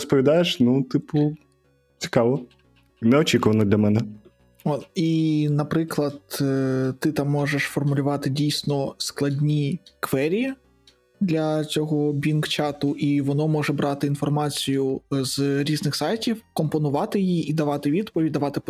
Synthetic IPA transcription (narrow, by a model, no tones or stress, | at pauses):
ɾɔspɔʋʲid̪ɑjeʃnut̪ɪpʊ | t͡sʲi̥kɑʋɔ | nɛɔt͡ʃʲikʊʋɐnɔd̪lʲɐmɛnɛ | ɔinɐpɾɪklˠɐd̪ | t̪ːɪt̪ɑmːɔʒeʃfɔrmʊlʲʊʋɑt̪ɪdʲijsʲnɔsklˠɐdʲnʲikʋɛɾʲii | d̪lʲɐt͡sʲɔɦɔbʲinkt͡ʃɑt̪ʊʔiʋɔnɔmɔʒɛbɾɑt̪ɪinfɔrmɑt͡sʲijʊzɾʲiznɪxsɑjtʲiwkɔmpɔnʊʋɑt̪ɪjiʔid̪ɐʋɑt̪ɪʋʲid̪pɔʋʲid̚ʲd̪ɐʋɑt̪ɪ